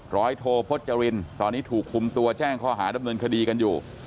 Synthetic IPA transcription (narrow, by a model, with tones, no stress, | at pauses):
ɾɔː˦˥jt̪ʰoː˧pʰo˦˥t̪̚t͡ɕa˧ɾi˧nt̪ɔː˧nːiː˦˥t̪ʰuː˨˩kʰːu˧mt̪u˧ɐt͡ɕɛː˥˩ŋkʰɔː˥˩ɦaː˩˦da˧mnɤː˧nkʰa˧diː˧ka˧njuː˨˩